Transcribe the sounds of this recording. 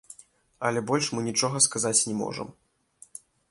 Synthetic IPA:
ɐlʲɛbɔlʲʂmɨnʲit͡ʂɔɣɐskazat͡sʲnʲɛmɔ̰ʐə̰m

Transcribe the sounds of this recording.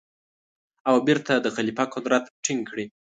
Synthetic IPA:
awbeɾt̪ʰad̪əɣalipakʊd̪ɾat̪ʈʰɪŋɡkɽi

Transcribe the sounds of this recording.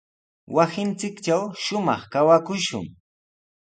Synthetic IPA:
wasɪnt͡sɪkt͡ʃawʃʊmɑχkawakʊʃʊ̰ŋ

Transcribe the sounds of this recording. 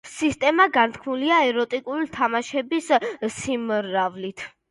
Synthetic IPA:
sist̪ʼɛmaɡant̪ʰkʰmuliaɛɾɔt̪ʼikʼulit̪ʰamaʃɛbissimːavlit̪ʰ

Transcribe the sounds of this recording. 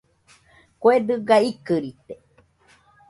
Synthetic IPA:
koed̪ɨɡaikɨɾit̪e

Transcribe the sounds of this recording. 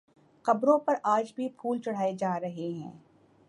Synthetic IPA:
qɐbɾõpɐɾʔaːd͡ʒbʱipʰuːlt͡ʃɐɽ̤aːed͡ʒaːɾɐɦeɦɛ̰̃ː

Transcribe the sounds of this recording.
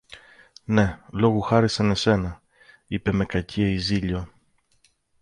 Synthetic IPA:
ne̞lo̞ɣuxɐɾisɐne̞se̞nɐ | ipe̞me̞kɐcieiziʎo̞

